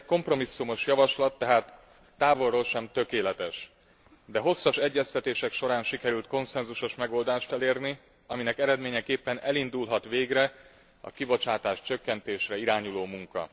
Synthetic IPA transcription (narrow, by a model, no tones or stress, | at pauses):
ko̞mpro̞misːumo̞ʃjɒvɒʃlɒt̪ːɛɦaːt̪ː | aːvo̞rːoːlʃɛmt̪ø̞keːlɛt̪ɛʃ | d̪ɛɦo̞sːɒʃɛɟːɛst̪ɛt̪eːʃɛkʃo̞ɾaːnʃikɛɾylt̪̚ko̞nsɛnzuʃo̞ʃmɛɡo̞ld̪aːʃt̪ɛleːrni | ɒminɛkɛɾɛd̪meːɲɛkeːpːɛnɛlind̪ulɦɒt̪ʋeːɡrɛ | ɒ̰kibo̞t͡ʃaːt̪aːʃt͡ʃø̞kːɛnt̪eːʃrɛiɾaːɲuloːmuŋkɒ̰